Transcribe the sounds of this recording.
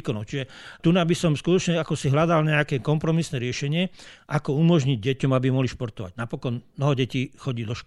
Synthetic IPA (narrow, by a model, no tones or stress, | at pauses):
kɔnɔʊt͡ʃiʒɛt̪unabisɔmskut̪ɔt͡ʃɲɛakɔsiɦlad̪alɲɛakɛkɔmpɾɔmisnɛːɾɪɛʃɛɲɪɛʔakɔumɔʒɲiɟ̚ɟɛcɔmabimɔɦliʃpɔɾt̪ɔʋa̰ɟ̥napɔkɔnmnɔɦɔɟɛciːxɔɟiːd̪ɔʃk